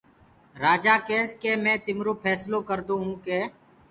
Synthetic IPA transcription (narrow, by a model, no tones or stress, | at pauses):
ɾaːd͡ʒaːkeːskeːmɛ̃ːt̪ɪmɾoːpʰɛːsloːkəɾd̪oːɦũːkeː